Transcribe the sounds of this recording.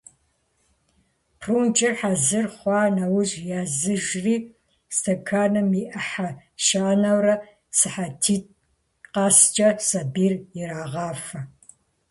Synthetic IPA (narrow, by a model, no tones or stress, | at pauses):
pʰruːnt͡ʃʼɐħazɨrχʷɑːnɐwʊʑjaːzɨʒriː | stʰɐkʰaːnɨmiʔɐħaʃaːnɐwrɐ | sɨħatʰiːt̚ | qɑːst͡ʃʼɐsɐbiːrjɪɾaːʁɑːfɐ